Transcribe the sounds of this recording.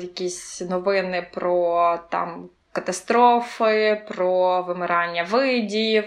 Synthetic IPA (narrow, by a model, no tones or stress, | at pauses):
jɐkʲisʲnɔʋɪnɪpɾɔt̪ɑ̰m | kɐt̪ɐst̪ɾofɪpɾɔʋɨmɪɾɑnʲːɐʋɪdʲiji